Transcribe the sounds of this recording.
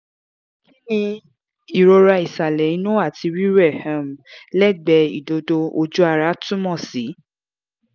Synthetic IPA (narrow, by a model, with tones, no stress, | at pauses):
ki˦nĩ˧ | i˨ɾo˧ɾa˧i˨sa˨lɛ˨i˨˦nũ˦a˦˨tʰi˧ɾi˦ɾɛ˦˨hã˨mlɛ˦˨ɡ͡bɛ˧ḭ˨do˧do˧o˧d͡ʒu˦a˧ɾa˦tũ˦mɔ̃˦˨si˨˦